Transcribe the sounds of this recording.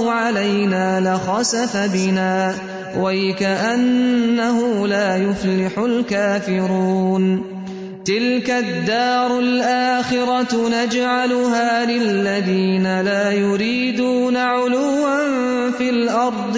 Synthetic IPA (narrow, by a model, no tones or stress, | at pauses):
ʊʕalajnaːlaxɑsafabɪnaː | waɪkaʔanːaɦʊlaːjʊflɪħʊlkaːfɪɾɾuuːn | t̪ɪlkad̪ːɑːɾˤʊlʔaːxɪɾɑnad͡ʒʕalʊɦaːlɪalːaðiːnalaːjʊɾiːd̪uːnaʕʊlʊwːan | fiːlʔɑɾˤd̪ˤ